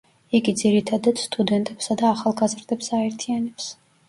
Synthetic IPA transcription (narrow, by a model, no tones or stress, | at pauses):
iɡid̪ziɾit̪ʰad̪at̪st̪ʼud̪ɛnt̪ʼɛpsad̪aːχalˠɡazɾd̪ɛpsaɛɾt̪ʰianɛps